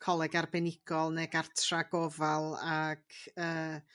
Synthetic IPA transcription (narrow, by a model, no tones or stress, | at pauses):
kʰɔlˠɛɡarbɛnɪɡ̥ɔlˠneɡartʰraɡovalˠaɡ̥əː